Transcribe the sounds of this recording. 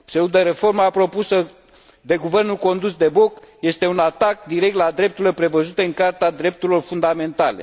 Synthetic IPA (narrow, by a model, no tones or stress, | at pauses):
seud̪əɾe̞fo̞rmapɾo̞pusə | d̪e̞ɡuve̞rnulko̞nd̪usd̪e̞bo̞kje̞st̪e̞unat̪ak̚d̪iɾe̞kt̪lad̪ɾe̞p̚t̪uɾile̞pɾe̞vəzut̪e̞ɨŋkart̪ead̪ɾe̞p̚t̪uɾilo̞rfund̪ame̞nt̪ale̞̰